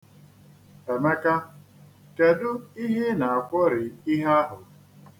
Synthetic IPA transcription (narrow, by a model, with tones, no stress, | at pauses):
e˨me˦ka˦ | ke˨dʊ˦i˦ɦe˦na˨a˨kʷɔ˦ɾɪ˨i˦ɦa˦ɦʊ˨